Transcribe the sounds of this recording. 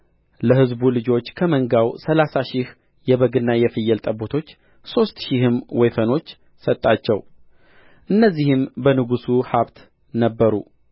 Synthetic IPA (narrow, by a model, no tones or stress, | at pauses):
ləhɨzbulɨd͡ʒo̞t͡ʃːkʰəməŋɡawsəlasaʃih | jɛβəɡɨnːajɛfɨjːɛlt̪ʼəbot̪ʰo̞t͡ʃː | so̞st̪ʃihɨmwɔjfəno̞t͡ʃː | sət̪ʼːat͡ʃːɛw | ʔɨnːəzːihɨmbənɨɡusuhaβt̪ | nəbːəɾṵ